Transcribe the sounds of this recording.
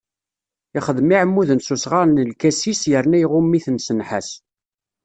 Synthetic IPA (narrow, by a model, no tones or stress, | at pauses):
ɪχəðmiʕəmːuðənsusʁaɾnəlkæsisjəɾnæjʁʊmːiθənsənħas